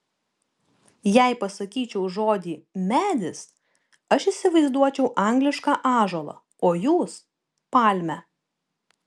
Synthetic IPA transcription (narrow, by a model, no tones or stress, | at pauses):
jɛɪpɐsɐkʲiːt͡ʃʲɛʊʒoːd̪ʲiːmʲæːd̪ʲɪs | ɐʃɪsʲɪʋɐɪzd̪uɔt͡ʃʲɛʊʔɑŋʲɡlʲɪʃkɑːʔɑːʒoːlˠɑ̰ | oːjuːs | pɑˑlʲmʲɛ